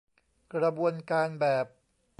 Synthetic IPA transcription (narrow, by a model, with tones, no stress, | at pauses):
kɾa˧bu˧ənkaː˧nbɛː˨˩p̚